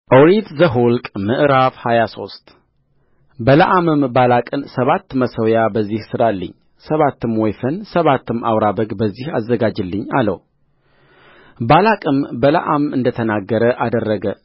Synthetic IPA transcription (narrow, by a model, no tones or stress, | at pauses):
ʔoɾid̪zəɦulkʼmɨʔɨɾafhajaso̞st̪ | bələʔamɨmbalakʼɨnsəβat̪ːməsəwjabəzːihsɨɾalːɨ̰ɲː | səβat̪ːɨmwɔjfənsəβat̪ːɨma̰wɾabəɡbəzːihazːəɡad͡ʒɨlːɨɲːalə̰w | balakʼɨmbələ̰ʔamɨnd̪ət̪ʰənaɡːəɾəʔad̪ərːəɡə